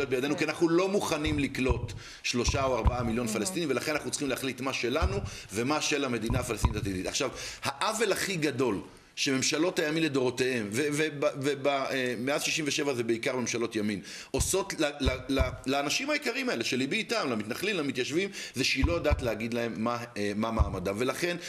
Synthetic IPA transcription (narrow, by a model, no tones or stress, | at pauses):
jot̚bejadenukianaχnulo̞muχanimliklo̞t̪ | ʃlo̞ʃaoaʁbaamiljo̞nfalest̪inimvelaχenanaχnut͡sχimlehaχlit̪maʃe̞lanu | ve̞maʃe̞lame̞d̪inaafalest̪initatid̪it̪aχʃavhaʔave̞laχiɡado̞l | ʃeme̞mʃalo̞thajaminled̪o̞ʁo̞te̞he̞mvevebavebaemeazʃiʃiɱveʃe̞vazebeikaʁme̞mʃalo̞tjamim | ʔo̞so̞tlalalalaːnaʃimhaikaʁimae̞leʃelibiːtamlamit̪naχlimlamit̪jaʃvimzeʃiloadaːtlehaɡid̪lae̞mːamamaːmadave̞laχe̞n